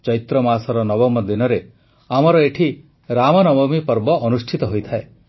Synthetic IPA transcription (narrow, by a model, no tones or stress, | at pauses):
t͡ʃɔit̪ɾɔmasɔɾɔnɔbɔmːɔd̪inɔɾe | amɔɾɔeʈʰi | ɾamɔnɔbɔmipɔɾbɔʔɔnusʈʰit̪ɔɦojt̪ʰae